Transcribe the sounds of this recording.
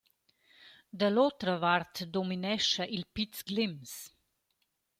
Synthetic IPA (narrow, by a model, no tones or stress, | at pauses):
d̪əloːt̪ɾɐʋaɾt̪d̪ɔminɛʃaʔilpit̪sɡlims